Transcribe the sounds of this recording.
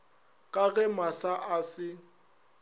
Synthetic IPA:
kʼaɣɛmasaʔasɪ

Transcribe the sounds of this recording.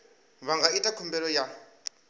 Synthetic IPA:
βaŋɡaitʼakʰumbɛlɔja

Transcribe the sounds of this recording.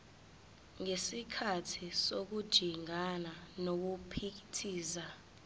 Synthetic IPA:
ŋesikʰatʰisok̬ud̥ʒ̥ʱiŋananok̬upʰik̬itʰiːza

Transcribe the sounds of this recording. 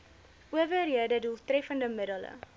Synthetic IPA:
ʔuəvəɾiədədulˠtrɛfəndəmədələ̰

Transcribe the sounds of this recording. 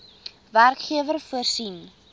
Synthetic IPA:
værkχiəvərfuərsin

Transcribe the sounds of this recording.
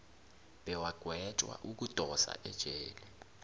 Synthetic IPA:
b̥ɛwaɡ̥ʱwɛt͡ʃʼwa̰ʔuk̬ʼutʼɔsa̰ʔɛd̥ʒ̥ʱɛːlɛ

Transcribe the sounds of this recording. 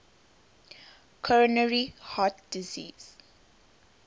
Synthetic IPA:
kʰɔɹɔnəɹihat̚dizḭːz̥

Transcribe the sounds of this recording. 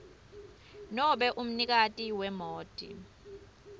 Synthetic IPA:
nɔɓɛʔum̩nik̬atʼiwɛmoːd̥ʱʼḭ

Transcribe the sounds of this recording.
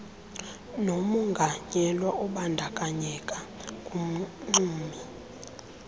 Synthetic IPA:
nomuŋɡʱaɲɛlwaʔɔɓandʱakʼaɲɛkʼakʼum̩ŋ͡ǀuːmi

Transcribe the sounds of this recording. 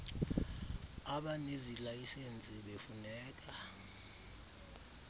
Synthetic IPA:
aɓanizilajisent͡sʼiɓefunɛːk̬ʼa

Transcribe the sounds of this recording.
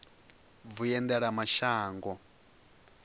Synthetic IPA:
vujɛndɛɺamaʃaːŋɡɔ

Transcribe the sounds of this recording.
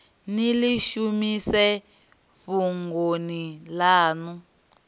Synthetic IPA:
niliʃumisɛ | fuŋɡonilaːnu

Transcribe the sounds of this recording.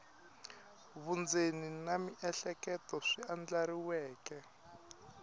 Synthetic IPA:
βund͡zeninamiʔɛɬɛkɛtɔʂiand͡ɮaɾiwɛːkɛ

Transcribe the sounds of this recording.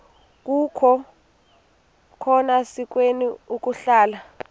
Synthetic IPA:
k̬ukʰɔ | kʰɔnasik̬weniuk̬ʼuɬaːla

